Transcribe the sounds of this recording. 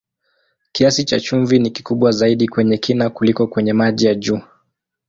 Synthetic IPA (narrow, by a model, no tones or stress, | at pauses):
kiasit͡ʃat͡ʃuɱviniki̥kuɓwazaiɗikwɛɲɛkʰinakulikɔkwɛɲɛmaʄijaʄuː